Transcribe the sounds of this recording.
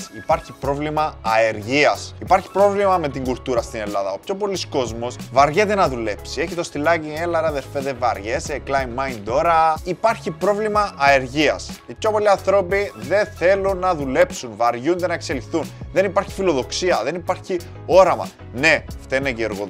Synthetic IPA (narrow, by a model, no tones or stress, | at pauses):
ipɐɾçipɾo̞vlimɐːeɾʝiɐsipɐɾçi̥pɾo̞vlimɐme̞t̪iŋɡult̪uɾɐst̪ine̞lːɐðɐo̞pço̞po̞lisko̞zmo̞svɐɾʝet̪e̞nɐðule̞psie̞çit̪o̞st̪ilɐcielːɐɾɐðeɾfet̪evɐ̰ɾʝe̞seklɐjmːɐjnt̪o̞ɾɐipɐɾçipɾo̞vlimɐʔːe̞ɾʝiɐ̰sipço̞po̞liɐnθɾo̞piðe̞θe̞lunːɐðule̞psunvɐɾʝund̪enɐekse̞lixθunðe̞nipaɾçi̥filoðo̞ksiɐðe̞nipaɾçi | o̞ɾɐmɐ̰ | ne̞ft̪eneceeɾɣo